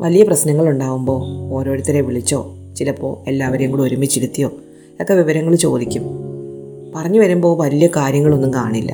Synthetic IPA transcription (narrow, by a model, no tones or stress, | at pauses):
ʋʔɐlijɐprɐɕnɐŋːɐɭuɳɖaːʋumbo̞ːoːɾo̞ːɾut̪ːɐɾeʋiɭit͡ɕːo̞ː | t͡ɕilɐpːo̞ːe̞lːaːʋɐɾjɐŋːɡɐɭo̞ɾumit͡ɕːiɾut̪ːijo̞ː | okːeʋiʋɐɾɐŋːɐɭt͡ɕo̞ːd̪ikʲːum | pɐrɐɲːuʋɐɾumbo̞ːʋɐlijɐkaːɾjɐŋːɐɭo̞nːumka̰ːɳilːɐ̰